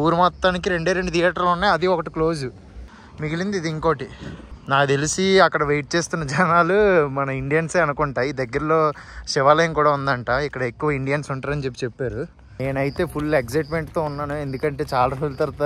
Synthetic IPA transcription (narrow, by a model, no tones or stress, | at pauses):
uːɾumɔt̪ːaːnikiɾe̞ɳɖeːɾe̞ɳɖut̪ʰijaːʈɐɾlunːaːjɐd̪iɔkɐʈiklo̞ːsu | miɡilind̪id̪iŋko̞ːʈinaːd̪elisiɐkːɐɽɐʋejʈ̚t͡ʃe̞ːst̪unːɐd͡ʒɐnaːlumɐnɐiɳɖijɐnseːɐnukuɳʈaːjiːd̪ɐɡːɐɾɐlo̞ːʃɪʋaːlɐjɐmkuːɽaːund̪ɐɳʈaːikːɐɽɐe̞kːuʋɐiɳɖijɐnsuɳʈaːɾɐnt͡ʃe̞p̬ːi̥t͡ʃe̞pːaːɾu | eːnɐjit̪e̞ːpʰuleɡsɐjʈme̞ɳʈt̪oːunːaːnue̞nd̪ukɐɳʈe̞ːt͡ʃaːlaɾult̪ɐɾt̪a